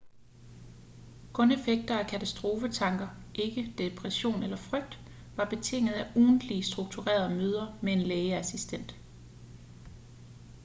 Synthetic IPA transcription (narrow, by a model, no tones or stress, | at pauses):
kʰɔ̽ne̝feɡ̥̚d̥ɐækʰæt͡sʰæsd̥ʁo̝ːfət͡sʰɑ̈ŋɡ̥ɐ | ʔe̝ɡ̥əd̥e̝pʰʁɛɕo̝̰ːnelɐfʁœɡ̥̚d̥ | ʋɑ̈b̥e̝t͡sʰe̝ŋ̰ð̞̩ˠæʔuːn̩d̥lisd̥ʁuɡ̥̚t͡sʰuʁɛ̰ːɐðˠmøːð̞ˠɐmee̝nleːəæsisd̥en̰d̥